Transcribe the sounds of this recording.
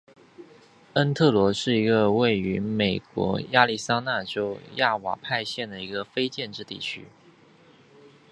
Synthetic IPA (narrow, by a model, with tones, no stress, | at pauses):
ə˥nt̪ʰɤ˥˩lwɔ˧˥ʂɻ̩˥˩i˧˥ɡə˧we˥˩ɪy˧˥me˨˩ɪkwɔ̰˧˥ja˥˧li˥˩sa˥na˥˩ʈ͡ʂo˥ʊja˥˩wa̰˨˩pʰa˥˧ɪɕjɛ˥˩nd̪ə˩i˧˥ɡə˧fe˥ɪt͡ɕjɛ˥˧nʈ͡ʂɻ̩˥˧t̪ḭ˥˩t͡ɕʰy̰˥